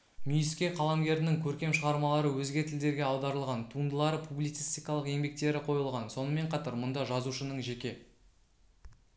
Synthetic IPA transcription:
mijɪskʲe̞qʰɑlˠɑmɡʲe̞ɾɪnɪŋkʲʰɵɾkʲe̞mʃəʁɑɾmɑlˠɑɾəwɵzɡʲe̞t̪ʰɪld̪e̞ɾɡʲe̞ɑwd̪ɑɾəlˠʁɑnt̪ʰuənd̪əlˠɑɾəpʰublit̪si̥st̪ijkɑlˠəqje̞ŋbe̞k̚t̪e̞ɾɪqʰo̞jəlˠʁɑnso̞nəme̞ɴqʰɑt̪ɑɾmʊnd̪ɑʒɑzuʃənəɴʒe̞kʲe̞

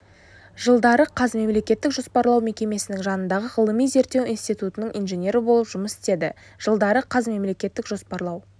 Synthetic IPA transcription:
ʒəlˠd̪ɑɾəqʰɑzme̞mle̞kʲe̞t̪ːɪkʒo̞spɑɾlˠɑwme̞kʲe̞me̞sɪnɪŋʒɑnənd̪ɑʁəʁəlˠəmijze̞ɾt̪ːe̞winst̪ijt̪ut̪ənəɴʔinʒe̞nʲe̞ɾɪbo̞lˠəpʒ̥ʊməsɪ̥t̪e̞d̪ɪ̰ | ʒ̥əlˠd̪ɑɾəqʰɑzme̞mle̞kʲe̞t̪ːɪkʒo̞spɑɾlˠɑw

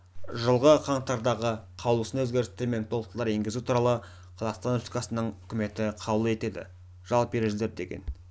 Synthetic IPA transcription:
ʒəlˠʁəqʰɑɴt̪ɑɾd̪ɑʁəqʰɑwlˠəsənɵzɡʲe̞ɾɪst̪eɾme̞nt̪ʰo̞lˠəq̚t̪lˠɑɾeŋɡʲɪzut̪ʰuɾɑlˠə | qʰlˠɑst̪anopt̪i̥kɑsənəɴʏkʲɪme̞t̪ɪqʰɑbəlˠəe̞t̪e̞d̪ɪ̰ | ʒ̥ɑlˠp̚be̞ɾeʒɪle̞ɾd̪e̞̰ɡʲḛn

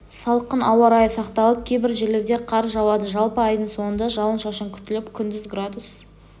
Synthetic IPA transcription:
sɑlˠqənʔɑwɑɾɑjəsɑqt̪ɑlˠəp̚kʲʰejbɪɾʒe̞le̞ɾd̪e̞qʰɑɾzʒɑwɑd̪əʒɑlˠpəɑjd̪əɴso̞ɴənd̪ɑʒɑlˠənʃɑʃəŋkʲʰʏ̥t̪ɪlɪpkʲʰʏnd̪ɪzɡrad̪us

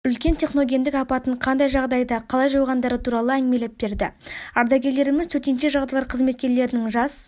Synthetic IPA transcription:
ʏlkʲe̞nt̪ʲʰe̞χno̞ɡʲe̞nd̪ɪkɑpɑt̪əɴqʰɑnd̪ɑjʒɑʁd̪ɑjd̪ɑqʰɑlˠɑjʒowʁɑnd̪ɑɾət̪ʰuɾɑlˠəæŋɡme̞lep̚be̞ɾd̪ɪɑɾd̪ɑɡʲe̞ɾle̞ɾɪmɪzt̪ʰɵt̪e̞nʃe̞ʒɑʁd̪ɑjlˠɑɾqʰəzme̞t̪̚kʲe̞ɾle̞ɾɪnɪŋʒɑs

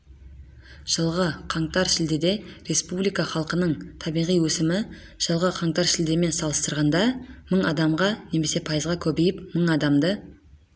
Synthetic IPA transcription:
ʒ̥əlˠʁəqʰɑɴt̪ɑɾʃɪld̪ed̪e̞ɾe̞spublijkɑχɑlˠqənəɴt̪ʰɑbijʁijwɵsɪmɪ | ʒ̥əlˠʁəqʰɑɴt̪ɑɾʃɪld̪eme̞nsɑlˠəst̪əɾʁɑnd̪ɑməɴɑd̪ɑmʁɑne̞me̞se̞pʰɑjəzʁɑkʲʰɵbe̞jɪpməɴɑd̪ɑmd̪ə

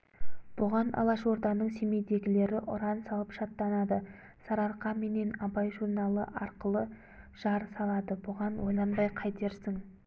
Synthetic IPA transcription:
b̥ʊʁɑnɑ̰lˠɑʃo̞ɾd̪ɑnəɴse̞me̞jd̪e̞ɡʲɪle̞ɾɪʔʊɾɑnsɑlˠəpʃɑt̪ːɑnɑd̪ə | sɑɾɑɾqɑme̞ne̞nɑbɑjʒuɾnɑlˠə̰ʔɑɾqəlˠə | ʒ̥ɑɾsɑlˠɑd̪əbʊʁɑnwo̞jlˠɑnbɑjqʰɑjt̪e̞ɾsɪŋ

